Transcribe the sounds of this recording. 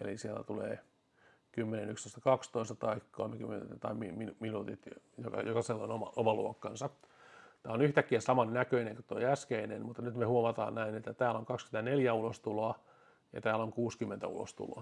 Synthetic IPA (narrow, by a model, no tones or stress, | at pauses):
ḛlisielːæ̰t̪ulḛː | kymːenenykst̪oˑist̪ɑkɑkst̪oist̪ɑt̪ɑikkːolmekymːḛt̪ɑimiminminuːt̪it̪ | jokɑ̰jokɑselːonomɑ̰omɑlṵokːɑnsɑt̪æːonyht̪ækːiæsɑmɑnnækøineŋkot̪ːoiæskeinenmut̪ːɑnyt̪mehuomɑt̪ɑ̰ːnnæinet̪ːæt̪æːlːoŋkɑkskymet̪æneljæulost̪uloɑ | jɑ̰t̪æːloŋkuːskymːent̪æ̰ṵlo̰st̪ṵlo̰ɑ